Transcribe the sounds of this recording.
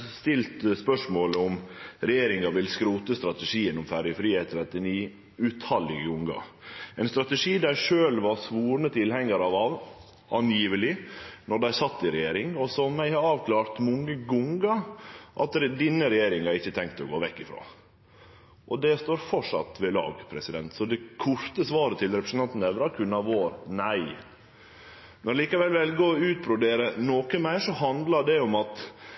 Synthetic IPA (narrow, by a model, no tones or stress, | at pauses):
st̪ɪlt̪spœʂmoːləʊmɾɛjeːɾɪŋɑʋɪlskɾuːt̪əst̪ɾɑt̪əʂiːənʊmfæɾjəfɾiːheːt̪ʰɾɛt̪ːɪniː | ʉːt̪hɑlɪɡəɡʊŋɡɑ̰ɛɪnst̪ɾɑt̪əʂiːd̪æɾʂøːlʋɑɾsʋuːɾnət̪ʰɪlhɛŋːəɾɑʋɑʋ | ɑnjiːʋəlɪnɔɖ̪æɪsɑt̪ːɪɾɛjeːɾɪŋɔsɔmæɪhɑɾɑːʋklɑːɾt̪mʊŋːəɡʊŋɡɑʔɑ̰t̪d̪ɪnːəɾɛjeːɾɪŋhɑɾɪçːət̪ʰɛŋkt̪ɔɡo̰ːʋɛkːɪfɾo̰ː | ʔɔd̪ɛst̪oːɾfɔʂɑ̰t̪ʋɛlɑ̰ːɡpʰɾɛsɪd̪ɛ̰nt̪sɔd̪ɛkʰʊɾt̪əsʋɑːɾət̪ʰɪlɾɛpʰɾəsn̩ɑnt̪n̩ɛʋɾɑkʰʉnːɑʋoːɾnæɪ | mɛnliːkɑʋɛlʋɛlɡoːʉːt̪̚bɾʊd̪eːɾənoːkəmæɪʂɔhɑnd̪lɑɖɛɔmɑt̪